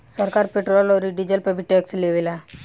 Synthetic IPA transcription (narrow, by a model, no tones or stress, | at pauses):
səɾkaɾpeʈɾolɔɾiɖid͡ʑəlpebʱiʈːeksleʋila